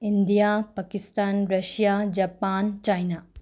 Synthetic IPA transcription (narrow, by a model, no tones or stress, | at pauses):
indijapɐkistanɾɐsijad͡ʒɐpant͡ʃajna